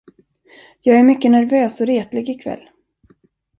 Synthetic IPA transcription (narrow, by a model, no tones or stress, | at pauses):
jɑːɡæɾmʏkːənæɾvøːsɔɾeːt̪lɪɡɪkʰvɛ̰lː